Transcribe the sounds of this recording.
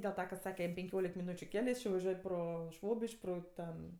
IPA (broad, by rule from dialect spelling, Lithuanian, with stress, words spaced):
dʲeːlˠ ˈtɐ kɐ ˈsɑːkʲɛ jɛm pʲɛŋʲˈkʲoːlʲɪk mʲɪˈnuːt͡ʃʲʊ ˈkʲæːlʲɛ ˈjɪs t͡ʃʲɪ ʋɐˈʒʲuɔj ˈproː ˈʃʋoːbʲɪʃʲkʲ ˈproː ˈtʲɛn